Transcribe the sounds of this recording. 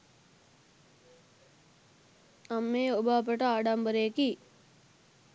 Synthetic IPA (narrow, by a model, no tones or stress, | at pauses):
amːeːubaːp̬ɐʈɐaːɖɐmbəɾeːki